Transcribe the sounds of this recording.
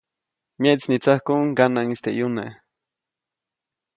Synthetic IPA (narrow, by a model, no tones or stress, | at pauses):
meʔt͡snit͡sahkuŋɡanaŋist̪eʔjune